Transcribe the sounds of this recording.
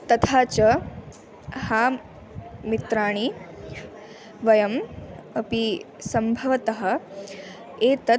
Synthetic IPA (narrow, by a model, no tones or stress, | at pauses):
t̪ɐt̪ʰaːt͡ʃɐ | haː | mit̪ɾaːɳ̃i | ʋɐjɐmɐpi | sɐmbʱɐʋɐt̪ɐɦɐ̆ | eːt̪ɐ